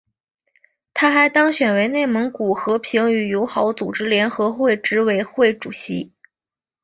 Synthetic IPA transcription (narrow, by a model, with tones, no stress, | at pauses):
t̪ʰa˥xa˧˥ɪt̪ɑ˥ŋɕɥɛ˨˩nwe˧˥ɪne˥˩ɪmɤ˧˥ŋku˨˩xɤ˧˥pʰi˧˥ŋy˨˩jo˧˥ʊxɑ˧˥ʊt͡su˨˩ʈ͡ʂɻ̩˥ljɛ˧˥nxɤ˧˥xwe˥˩ɪʈ͡ʂɻ̩˧˥we˧˥ɪxwe˥˩ɪʈ͡ʂu˨˩ɕḭ˧˥